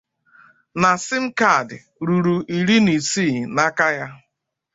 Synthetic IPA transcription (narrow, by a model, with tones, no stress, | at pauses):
na˨sɪ˦m̩˦ka˦˨dɪ˨ | ɾu˨ɾu˨ʔi˨ɾi˦ni˨siː˦˨na˦ka˦ja˦